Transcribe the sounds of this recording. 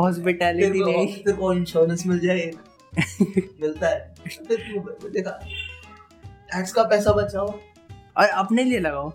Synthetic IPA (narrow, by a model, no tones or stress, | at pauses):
ɦɔːspɪʈɛːlɪɪɾiɔiseɾkoɪnʃɔːɾnəsmɪld͡ʒaːe | mɪlt̪aɦɛpʰɪɾt̪ud̪eːkʰa | ɛːʈskapɛːsabɐt͡ʃaːo | aɐpnelielɐɡaːo